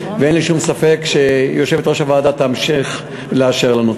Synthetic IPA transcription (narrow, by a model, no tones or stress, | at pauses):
veenliʃumsafe̞kʃejoʃevetʁaʃavaːd̪at̪aamʃiχ | leaʃeʁlanu